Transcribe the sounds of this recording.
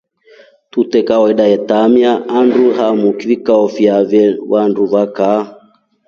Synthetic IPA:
tutɛkawɔɛɗajɛtamjaːnduɦamukivikaɔfiavɛwanduvaka

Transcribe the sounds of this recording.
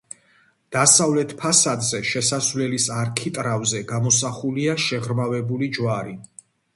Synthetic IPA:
d̪̥asavlɛt̪ʰpʰasad̪zɛʃɛsasvlɛlisaɾkʰit̪ʼɾavzɛɡamɔsaχuliaʃɛʁɾmavɛbulid͡ʒwaɾi

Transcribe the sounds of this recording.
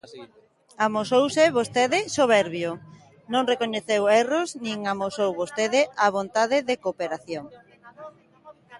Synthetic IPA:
amosowsɪβost̪eðɪsoβ̞ɛɾβjo | nõŋrekoɲeθewɛrosnĩŋamosowβost̪eðɪʔaβ̞ont̪aðɪðekopeɾaθjoŋ

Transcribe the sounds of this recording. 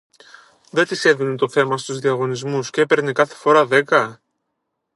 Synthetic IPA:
ðe̞t̪ise̞ðinet̪o̞θe̞mɐst̪uzðiɐɣo̞nizmusceepe̞ɾnikɐθe̞̥fo̞ɾɐðe̞kɐ

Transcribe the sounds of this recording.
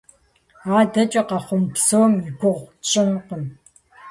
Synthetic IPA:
aːdɐt͡ʃʼɐqɑχʷʊmpsoːmiɡʷʊʁt͡ʃʼɪmqən

